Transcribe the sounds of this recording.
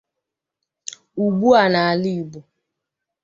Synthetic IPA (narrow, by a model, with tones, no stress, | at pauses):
u˨ɡ͡bu˦a˨na˨a˨li˦˨bu˨